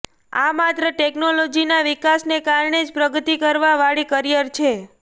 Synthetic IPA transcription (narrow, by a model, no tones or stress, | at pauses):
amat̪ɾəʈeknolod͡ʒinaʋikasnekaɾɳed͡ʒpɾəɡət̪ikəɾʋaʋaɭikəɾijəɾt͡ʃʰe